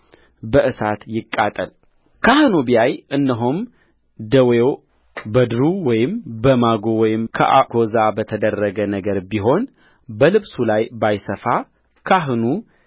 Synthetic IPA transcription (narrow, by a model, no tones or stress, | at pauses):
bəʔɨsat̪jɪkʼːat̪ʼə̰l | kʰahɨnubijajʔɨnːəɦom | d̪əwew | bəd̪ɨɾuwɔjɪmbəmaɡowɔjɪmkʰə̰ʔakʰo̞zabət̪ʰəd̪ərːəɡənəɡəɾbiɦo̞n | bəlɨβsulajbajsəfa | kʰaɦnu